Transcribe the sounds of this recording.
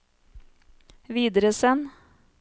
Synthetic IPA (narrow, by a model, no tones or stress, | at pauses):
ʋiːd̪əɾəsɛn